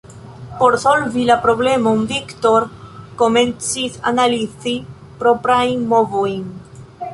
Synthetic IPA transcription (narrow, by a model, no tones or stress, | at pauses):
poɾsolvilapɾoβlemaumbikt̪oɾkomẽnsisa̰naliθi | pɾopɾajŋmovuiŋ